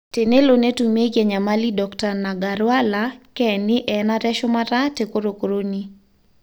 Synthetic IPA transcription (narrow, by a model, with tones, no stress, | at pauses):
te˨ne˦lo˨ne˦tu˨me˦ɡɛ˨ɲa˨malidɔkta˨na˨ɡaɾwa˦lakɛnɪ˦ʔɛnaɾɛʃɔ˦maɾate˨ko˦ɾo˨ko˨ɾo˦ni